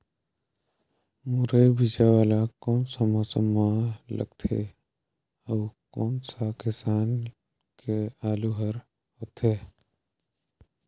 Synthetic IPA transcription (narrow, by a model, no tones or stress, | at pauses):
muɾebid͡ʒawaːlakɔːnsamoːsəmalə̰ɡt̪ʰḛ | əːkɔːnsakɪsaːn | keaːluɦəɾ | ɦot̪ʰeː